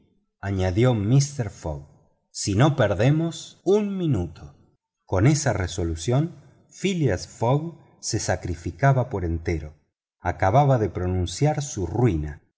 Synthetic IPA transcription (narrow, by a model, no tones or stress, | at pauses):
aɲaðjomist̪eɾfo̰ɣ | sino̞peɾðemosunminut̪ʰo | ko̞nesareso̞lusjo̞n | filiasfoɣ | sesakɾifikaβapoɾent̪eɾo | akaβaβaðepɾonũnsjaɾsurwina